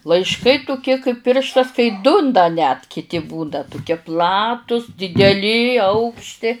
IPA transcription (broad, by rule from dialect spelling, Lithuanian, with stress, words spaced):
lˠɐɪʃˈkɐɪ tʊˈkʲiɛ kɐɪp ˈpʲɪrʃtɐs kɐɪ ˈdʊ n dɐ nʲɛt kʲɪˈtʲɪ buːdɐ tʊˈkʲiɛ ˈplˠɑːtʊs dʲɪdʲɛˈlʲɪ ˈɐʊkʃʲtʲɪ